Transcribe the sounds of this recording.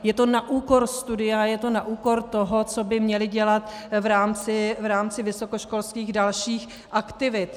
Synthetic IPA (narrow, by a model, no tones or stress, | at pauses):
jɛt̪onaʔuːko̞ɾst̪udɪjajɛt̪o̞naʔuːko̞ɾt̪o̞ɦo̞t͡sobɪmɲɛlɪɟɛlat̪ | vɾaːmt͡sɪvɾaːmt͡sɪvɪso̞ko̞ʃko̞lskiːxdalʃiːx | ʔakt̪ɪvɪt̪